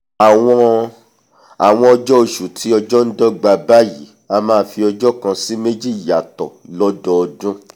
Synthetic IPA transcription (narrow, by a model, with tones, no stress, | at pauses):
a˨w̃ɔ̃˧ | a˨w̃ɔ̃˧ɔ˧d͡ʒɔ˦o˧ʃu˨tʰi˨˦ɔ˧d͡ʒɔ˦n̩˦dɔ˦ɡ͡ba˧ba˦ji˨˦ | a˧mãː˦fi˧ɔ˧d͡ʒɔ˦kã˧si˦me˦d͡ʒi˦˨ja˨tɔ̰˨lɔ˦dɔ˦ɔ˧dũ˦